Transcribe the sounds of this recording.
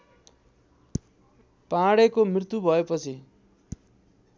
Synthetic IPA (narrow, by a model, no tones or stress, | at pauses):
pãɽekomrirt̪ubʱʌepʌt͡sʰi